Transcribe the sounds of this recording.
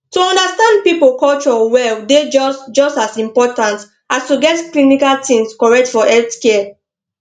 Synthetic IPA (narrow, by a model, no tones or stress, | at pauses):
tuɔ̃ndastãnd̚pipolkɔlt͡ʃɔwɛlded͡ʒɔsd͡ʒɔstasĩmpɔtãnt | ʔastuɡɛtklinikaltĩŋskɔɹɛk̚tfɔʔɛtske